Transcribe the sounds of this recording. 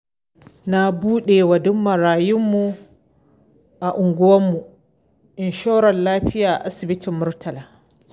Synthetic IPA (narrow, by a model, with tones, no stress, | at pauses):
na˦buː˦ɗe˨wɐ˨dʊ˦mːɐ˨ɾaː˨jʊ˦mːu˨ | ʔa˨ʔʊ˨ŋɡʷʊ˦wɐ˦mːu˨ | ʔɪ˨nʃoː˦ɽɐ˨nlaː˦ɸɪ˦jaː˨ʔa˨ʔa˦sɪ˨bɪ˦tʰɪ˨mːʊ˦rtʰɐ˨laː˨